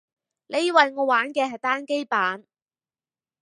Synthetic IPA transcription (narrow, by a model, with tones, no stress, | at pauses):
lʔe˨˧jwɐ˨jŋɔː˨˧waː˨˥nkɛː˧hɐ˨jt̪aː˥nke˥jpaː˨˥n